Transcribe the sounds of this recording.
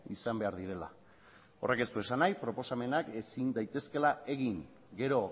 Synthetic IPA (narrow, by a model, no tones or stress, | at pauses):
isambe̞aɾðiɾe̞la̰ | o̞re̞ke̞st̪ue̞sanajpɾo̞po̞same̞nakesind̪ajt̪e̞ske̞lae̞ɣiŋ | ɡe̞ɾo̞